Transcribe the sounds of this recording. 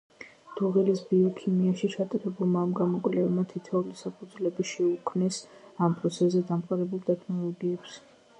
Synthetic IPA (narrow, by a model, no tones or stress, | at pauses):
d̪̥uʁilisbiɔkʰimiaʃit͡ʃʰat̪ʼaɾɛbulˠmaːmɡamɔkʼlɛvmat̪ʰit̪ʰɛulisapʰud̪zulɛbiʃɛukʰmnɛsampʼɾɔt̪sʰɛszːɛd̪amqʼaɾɛbulˠd̪ɛkʰnɔlˠɔɡiɛps